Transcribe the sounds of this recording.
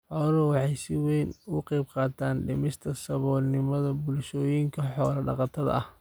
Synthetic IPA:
ħɔːlɔwɑħɑjsɪwɛjnʊqɑjbqɑːt̪ʰaːnɖɪ̰mɪst̪ʰɐsɐβɔːlnɪmɐðɐbʊlʃɔːjɪŋkʰɐħɔːlɐɖɑ̰qɑt̪ʰɐðɐ̰ɐh

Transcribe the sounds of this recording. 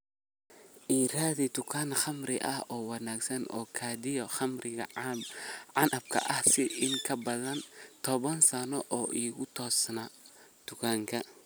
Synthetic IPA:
ʔiːɾaːðɪd̪ʊkʰanχɐmrɪʔɐ̰hɔːwɑnaːɡsɐnʔɔːkʰaːd̪ɪjɔxɐmrɪɣɐ̰ | ʕanʔɐb̚kʰɐ̰ʔɐhsɪɪŋkʰɐbɐðɐnt̪ʰɔβɐnsɐnɔʔɔːʔiːɣʊt̪ʰɔːsnaːd̪̥ʊkʰaːŋkʰɐ

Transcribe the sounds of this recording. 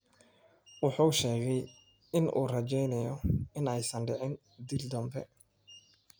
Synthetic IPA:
wɑħuːʃɛːɣɛj | ɪnʔṵːrɐt͡ʃɛjnɛjɔɪnɛjsɐnɖɪʕɪn | d̪ild̪ɐmbɛ

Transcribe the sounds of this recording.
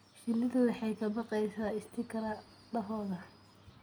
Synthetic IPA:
ʃɪlːɪðɐwɑħɑjkʰɐbɑqɛjsaːɪst̪ʰɪkʰɐɾɐ | ɖɐɦɔːðɐ

